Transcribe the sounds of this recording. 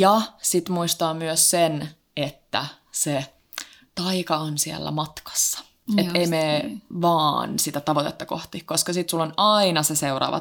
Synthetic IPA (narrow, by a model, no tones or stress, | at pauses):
jɑsit̪muist̪ɑːmyøssen | et̪ːæ̰ | se | t̪ɑikɑonsiæ̰lːæ̰mɑt̪kɑ̥sːɑ̥ | eeimeʋɑːnsit̪æt̪ɑʋot̪et̪ːɑkoht̪ihkoskɑsit̪sulːonɑinɑseseurɑ̰ːʋɑ̰